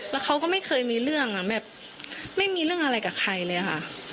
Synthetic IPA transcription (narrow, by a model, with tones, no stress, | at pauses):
lɛː˦˥wkʰa˦˥wkɔː˥˩ma˥˩jxʰɤː˧jmiː˧ɾɯ˥˩əŋʔa˨˩bɛː˨˩p̚ | ma˥˩jmiː˧lɯ˥˩əŋʔa˧ɾa˧jkaː˨˩kʰa˧jlɤː˧ja˨˩kʰa˥˩ʔ